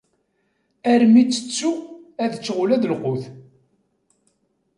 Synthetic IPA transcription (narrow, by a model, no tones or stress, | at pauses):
æɾmit͡sːə̥t͡sːuæðt͡sːʁʊlæðlqʊθ